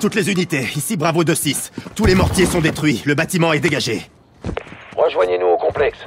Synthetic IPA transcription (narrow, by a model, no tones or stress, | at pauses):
t̪ut̪lezynit̪eisibʁavod̪øsist̪ulemɔʁt̪ʲjesɔ̃d̪et̪χɥiləbat̪imɑ̃ɛd̪eɡaʒe | ʁəʒwaɲenuokɔ̃plɛks